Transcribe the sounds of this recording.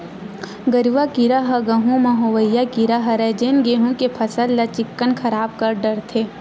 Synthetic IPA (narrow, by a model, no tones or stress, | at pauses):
ɡɐɾiʋakiɾaɦɐɡɐɦũmɐɦoːʋəjːakiɾaɦɐɾɛːd͡ʒeːnɡeːɦũkepʰɐsəlːɐt͡ʃɪkːənkʰɐɾaːb̚kɐɾɖɐɾt̪ʰeː